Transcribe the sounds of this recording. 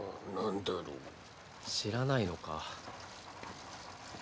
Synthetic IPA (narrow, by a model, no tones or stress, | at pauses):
nãnd̪aɾo̰ː | ɕiɾanaino̞ka̰